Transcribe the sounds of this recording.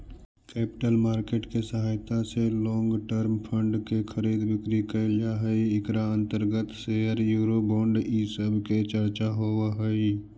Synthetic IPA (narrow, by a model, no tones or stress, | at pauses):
kɛːpɪ̥ʈəlmaːɾkeːʈkesəɦaːjt̪aselɔ̃ːŋɡʈəɾmpʰə̃ɳɖkekʰəɾiːd̪bɪkɾikəlɪjaɦəiɪkɾaə̃nt̪əɾɡət̪seəɾjuːɾobɔ̃ːɳɖisəbʱket͡ʃəɾt͡ʃaɦoːaɦəi